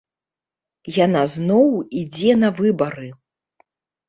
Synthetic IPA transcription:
janaznɔwid͡zʲɛnɐvɨbɐɾɨ

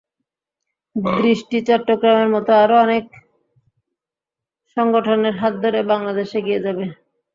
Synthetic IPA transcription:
d̪ɾiʃʈit͡ɕɔʈːoɡɾameɾmɔt̪oaɾoɔnek | ʃɔŋɡoʈʰoneɾɦat̪̚d̪ʱoɾebaŋlad̪eʃeɡied͡ʑabe

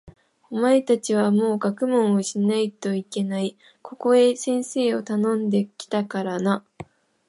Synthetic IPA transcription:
omae̞t̪at͡ɕiβamo̞ːɡakɯ̟mõ̞ɰ̃oɕinait̪o̞ike̞nai | kʰo̞ko̞e̞sẽ̞ɰ̃se̞ːo̞t̪anõ̞nd̪e̞kʲi̥t̪akaɾana

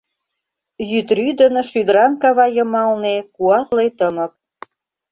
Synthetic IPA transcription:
jyt̪ryd̪ə̆nŏʃyd̪əɾɑnkɑβɑjɤ̆mɑlnekuɑt̪lejt̪əmə̆k̚

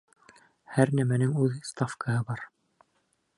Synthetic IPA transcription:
hæɾnæmænɘŋʉðst̪afkəhɤbɑɾ

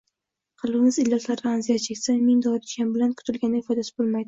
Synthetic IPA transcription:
qʰɑlˠbɪmɪzɪlːɒt̪laɾaanzijat̪t͡ʃʰekʲsamɪŋd̪ɒap̪̚ʰʊt͡ʃ̪kʲanbɪlankʰʊ̥t̪ʰɪlɡʲanɪɪfɒd̪asɪ̥bolˠmajd̪ɪ

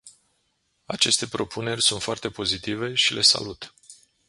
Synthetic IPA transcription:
at͡ʃe̞st̪e̞pɾo̞pʰune̞rʲsunt̪foart̪e̞po̞zit̪ive̞ʃile̞sa̰lut̪

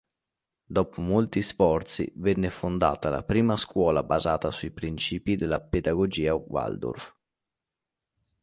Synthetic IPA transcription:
d̪ɔpumolt̪isfɔrt̪sḭvɛnːefond̪a̰ːt̪ala̰pɾiːmaskwɔːlabazaːt̪asuipɾint͡ʃiːpid̪elaped̪aɡod͡ʒiːawa̰ld̪o̰rf

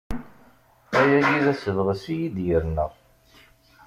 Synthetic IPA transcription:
æjæjiðæsəvʁəsijid̪jəɾnə̰ʁ

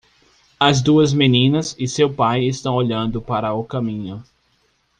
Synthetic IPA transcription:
ɐzd̪uɐzmenĩnɐzɪsewpajɪst̪ɐ̃w̃oʎɐ̃nd̪ʊpaɾɐʊkɐmĩɲʊ

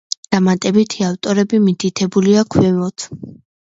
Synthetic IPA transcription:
d̪̥amat̪ʼɛbit̪ʰiaft̪ʼɔɾɛbimit̪ʰit̪ʰɛbuliakʰwɛmɔt̪ʰ

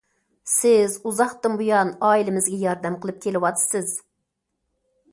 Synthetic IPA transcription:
sɪzuzɑχt̪ɨmbujɑnɑːilɪmɪzɡʲɛjɑɾd̪ɛmqəlˠɨp̚kʲʰelɪwɑt̪ʰɨ̥sɨz̥

